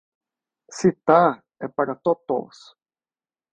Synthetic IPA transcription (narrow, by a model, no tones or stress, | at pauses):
sit̪a | epaɾat̪ot̪o̰s